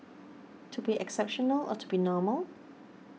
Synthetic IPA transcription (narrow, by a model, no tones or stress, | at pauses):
tʰubiʔɛksɛpʃɔnəlɔ̰tʰubinɔːməlˠ